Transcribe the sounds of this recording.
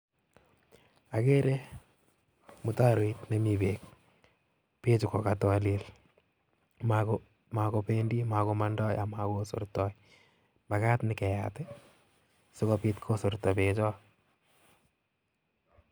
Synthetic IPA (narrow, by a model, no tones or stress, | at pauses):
akeɾe | mʊtaɾoitnemibek̚ | pet͡ʃukɔkatwalil | mak | makopendimakomandɔjamakoso̰ɾtɔj | makatnɪkɛjatɛ | sokɔpitkʰosoɾtɔpet͡ʃɔ